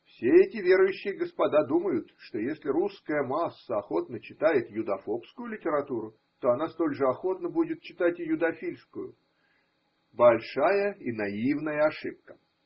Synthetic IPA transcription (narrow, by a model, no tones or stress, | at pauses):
fsʲeɛtʲɪvʲe̞ɾʊjʉɕːɪjəɡəspɐd̪ad̪uməjʊt̪ʂt̪o̞jesʲlʲɪɾuskəjəmasːəɐxo̞t̪nət͡ɕɪt̪ajɪt̪jʊd̪ɐfo̞pskʊjʊlʲɪtʲɪɾɐt̪uɾʊ | t̪o̞ɐnast̪o̞lʲʐɨɐxo̞t̪nəbudʲɪt̪̚t͡ɕɪ̥t̪atʲjʊd̪ɐfʲilʲskʊjʊ̰ | bɐlʲʂajəinɐivnəjəɐʂɨp̚kə̥